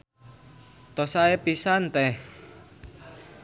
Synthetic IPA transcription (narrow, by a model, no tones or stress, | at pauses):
t̪ɔsaepisant̪ɛh